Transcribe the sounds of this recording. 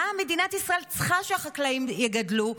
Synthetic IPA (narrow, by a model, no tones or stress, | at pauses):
ame̞d̪inat̪isʁaʔe̞lt͡sχaʃeaχaklaimjeɡadlu